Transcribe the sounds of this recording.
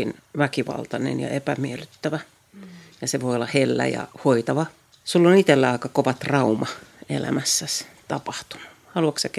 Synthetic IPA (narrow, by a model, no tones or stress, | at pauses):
inʋækiʋɑ̰lt̪ɑnḛnjɑ̰epæmielyt̪ːæʋæ | jɑseʋoiolːɑhelːæ̰jɑ̰hoit̪ɑʋɑ | sulːonit̪elːæɑˑikɑkoʋɑt̪rɑumɑḛlæ̰mæsːæst̪ɑpɑht̪u̥nu̥ | hɑluɑksɑk